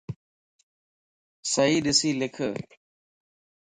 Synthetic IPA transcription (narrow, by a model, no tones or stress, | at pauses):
səɦiːɗɪsiːlɪkʰə